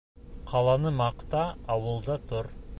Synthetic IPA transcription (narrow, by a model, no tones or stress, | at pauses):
qʰɑlˠɑnəmɑqt̪ɑːwəlˠd̪ɑt̪ʰʊɾ